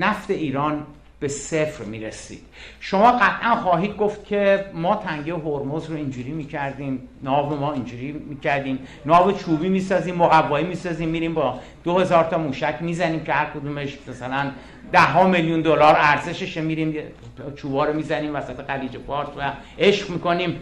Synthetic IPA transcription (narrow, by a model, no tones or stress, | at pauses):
næft̪e̞iːɾɒːn | b̥e̞sefɾmiːɾesḭːd̪̥ʃo̞mɒːɢæt̪ʰʔænχɒːɦiːd̪̚ɡoft̪cʰe̞mɒːt̪ʰæŋɟeɦoɾmozɾoind͡ʒuːɾiːmiːcʰæɾd̪iːmnɒːvɾomɒːind͡ʒuːɾiːmiːcʰæɾd̪iːm | nɒːvet͡ʃʰuːbiːmiːsɒːziːmːoɣævːɒːiːmiːsɒːziːmːiːɾiːmbɒː | d̪̥ohe̞zɒːɾt̪ʰɒːmuːʃæcʰmiːzæniːmcʰehæɾkʰod̪umeʃmæsælæn | d̪æhɦːɒːmeljund̪olɒːɾæɾze̞ʃeʃemiːɾiːmj | t͡ʃʰuːbɒːɾomiːzæniːmvæsæt̪ʰe̞ɣæɾiːd͡ʒepɒːɾt̪væ | e̞ʃɢmiːko̞niːm